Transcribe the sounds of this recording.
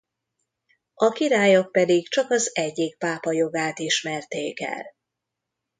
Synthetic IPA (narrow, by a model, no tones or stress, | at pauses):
ɒkiɾaːjok̚pɛd̪ikt͡ʃɒkɒzɛɟːik̚paːpɒjo̞ɡaːt̪iʃmɛrt̪eːkɛ̰l